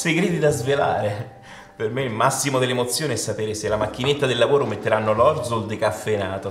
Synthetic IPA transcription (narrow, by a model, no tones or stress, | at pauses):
seɡɾiːd̪id̪azvela̰ːɾe | permeilmasːimod̪elːemot̪sːjoːniɛsːapeːɾeselːamak̟ːinet̪ːad̪elːavoːɾomet̪ːeɾanːolɔrd̪zold̪ekafːenaːt̪o